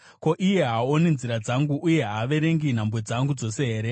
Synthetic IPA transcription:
ko̞ʔije̞ɦaoninziɾad͡zaŋɡuʔːje̞ɦaʋe̞ɾe̞ŋɡin̤ambwed͡zaŋɡud͡zo̞se̞ɦeːɾe̞

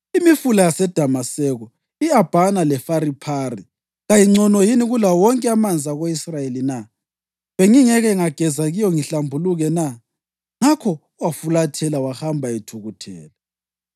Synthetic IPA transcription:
imifulajasɛd̥ʱamasɛɣɔ | iab̥ʱanalɛfaɾipʰari | ɣajiŋ͡ǀɔnɔjiniɣulawɔŋkʼɛamand͡zʱaɣeisrajelina | βɛŋiŋɛɣɛŋaɡ̥ʱɛzaɣijɔŋiɬambʱuluɣɛna | ŋakʰɔ | wafulatʰɛlawahambʱaɛtʰuɣutʰɛ̰ːla

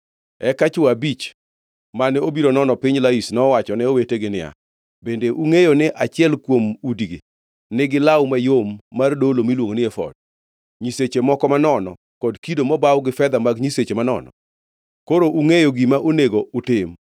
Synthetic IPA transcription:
ɛkat͡ʃʊwabit͡ʃ | manɛobiɾonɔnɔpɪɲlaisnɔwat͡ʃɔnɛoweteɡɪnɪa̰ | bendeʔuŋejonɪʔat͡ʃɪɛlkwomudɡɪ̰ | nɪɡɪlawmajomːardolomilwoŋonɪɛfɔ̰d̥̚ | ɲiset͡ʃemɔkɔmanɔnɔ̰ | kɔdkidomɔbawɡɪfɛd̪amaɡɲiset͡ʃemanɔ̰nɔ̰ | koɾoʔuŋejoɡimaʔoneɡoʊtɪm

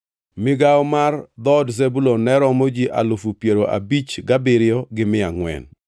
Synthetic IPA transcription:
mɪɡaɔmard̪ɔdzebulonɛɾɔmod͡ʒiʔa̰lofupjeɾoʔa̰bit͡ʃɡabɪɾɪɔɡɪmɪaŋwɛ̰n

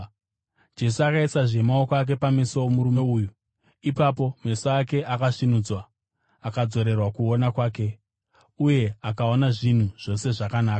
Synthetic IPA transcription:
d͡ʒe̞suakaisaʐe̞maokoak̬e̞pamisoomuɾumeuːju | ipapo̞me̞soake̞ʔakaʂinud͡zwa | akad͡zo̞ɾe̞rwakuo̞nakwaːke̞ | uje̞akao̞naʐin̤uʐ̥o̞se̞ʐakanaːka

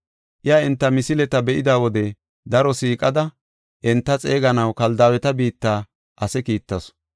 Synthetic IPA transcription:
ʔɪjaːɪnt̪ːɐmɪsɪlɛt̪ɐbɛʔɪd̪aːwɔd̪ɛ | d̪ɐɾɔsiːkʼɐd̪ɐ | ʔɛnt̪ːɐt͡sʼe̞ːɡɐnɐwkɐld̪aːwɛt̪ɐbiːt̪ːaː | ʔɐsɛkiːt̪ːɐs

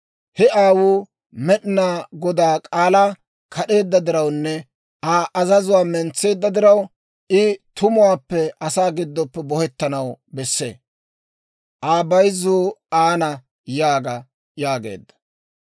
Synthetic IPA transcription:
hɛaːwuː | mɛɗɪnaːɡɔd̪aːkʼaːlaː | kʰɐɗe̞ːd̪ːɐd̪ɪɾɐwnːɛ | ʔaːʔɐzɐzʊwaːmɛnt͡sːe̞ːd̪ːɐd̪ɪɾɐw | ʔɪt̪ʊmʊwaːpːɛɐsaːɡɪd̪ːɔpːɛbɔhɛt̪ːɐnɐwbɛsːḛː | ʔaːbɐjzːoːaːnɐ | jaːɡɐ | jaːɡe̞̰ːd̪ːɐ̥

